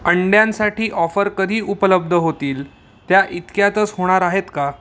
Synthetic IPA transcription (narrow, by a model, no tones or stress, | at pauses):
əɳɖjãnsaʈʰiːʔɔfəɾkəd̪ʱiːʔupələb̚d̪ʱəɦot̪iːl | t̪jaʔit̪kjat̪ət͡sɦoɽ̃aɾaɦet̪ka